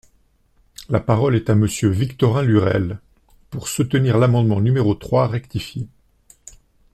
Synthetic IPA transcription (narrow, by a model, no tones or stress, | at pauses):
lapaʁɔlɛt̪aməsjøvikt̪ɔʁɛ̃lyʁɛ̰l | puʁsut̪əniʁlamɑ̃d̪mɑ̃nymeʁot̪χwaʁɛkt̪ifje